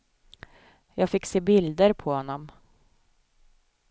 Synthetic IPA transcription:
jɑːɡfɪkseːbɪld̪əɾpʰɔhɔnːɔm

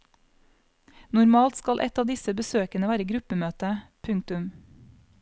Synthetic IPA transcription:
nʊɾmɑːlt̪skɑlʔɛ̰t̪ɑːʋd̪ɪsəbəsøːkənəʋæːɾəɡɾʉpəmøːt̪əpʰʉŋkt̪ʉm

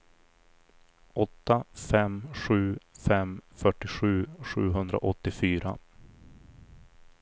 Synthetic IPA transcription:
ʔɔt̪ːafɛmɧʉ̟ːfɛmfœʈːɪɧʉ̟ːɧʉ̟̰ːɦɵnd̪ɾa̰ʔɔt̪ːɪfyːɾa̰

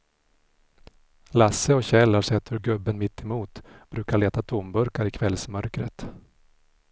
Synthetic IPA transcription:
lasːəɔɕɛlːaɾʂɛt̪ʰːɵɾɡɵbːənmɪt̪ʰːɛmuːt̪b̥ɾʉ̟ːkaɭeːt̪at̪ʰʊmbɵɾkaɾɪkʰvɛlsmœɾkɾə̰t̪

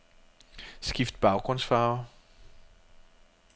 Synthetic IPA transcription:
skifd̥̚b̥ɑ̈ʊɡ̥ʁɔnsfaːʊ

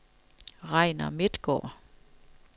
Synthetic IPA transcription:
ʁɑɪnɐ̰med̪̥ɡ̥ɔ̰ː

